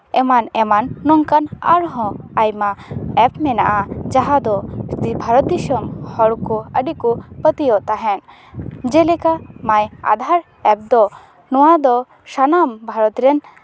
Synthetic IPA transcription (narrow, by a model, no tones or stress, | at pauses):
ɛmanɛmanːɔŋkana̰ɾɦɔ̃ajmaɛpmɛnaʔad͡ʒaɦad̪ɔbʱaɾɔt̪̚d̪iʃɔmhɔɽkɔəɖikupət̪ijɔʔt̪aɦɛn | d͡ʒɛlɛkamaja̰d̪ʱaɾ | ɛp̚d̪ɔ | nɔwad̪ɔ | ʃanambʱaɾɔt̪ɾɛn